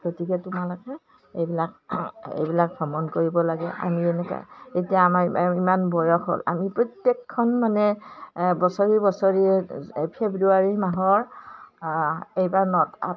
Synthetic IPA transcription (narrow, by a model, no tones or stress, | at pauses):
ɡotikɛtʊmalɔkɛ | ejbilak̚ḛjbilak̚b̥ɔmɔnkoɹibɔlaɡɛʔa̰miɛnɛka̰etijaːmaɹimanbɔjɔxɦo̰la̰mipɹotjekʰːɔnmanɛbɔsɔɹibɔsɔɹipʰebɹuaɹimaɦɔɹ | ejbaɹnɔta̰